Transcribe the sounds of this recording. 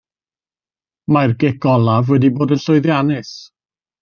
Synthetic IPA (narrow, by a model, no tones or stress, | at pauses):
marɡɛɡɔlˠavwɛdiboːdənɬʊɨðjanɨs